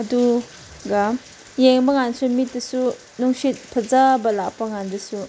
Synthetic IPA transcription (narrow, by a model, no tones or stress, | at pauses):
ɐdu | ɡam | jeŋbɐŋansumit̚dɐsu | nuŋsit̚pʰɐzabɐlakpaŋandɐsu